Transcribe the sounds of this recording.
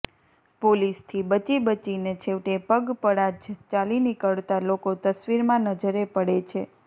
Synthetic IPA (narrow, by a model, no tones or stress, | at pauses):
polist̪ʰibət͡ʃibət͡ʃinet͡ʃʰeʋʈepəɡpəɽad͡ʒt͡ʃalinikəɭt̪alokot̪əsʋiɾmãnəd͡ʒəɾepəɽet͡ʃʰe